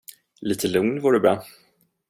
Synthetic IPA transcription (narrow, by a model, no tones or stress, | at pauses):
liːt̪ʰəlɵŋnvuːɖɵbɾɑː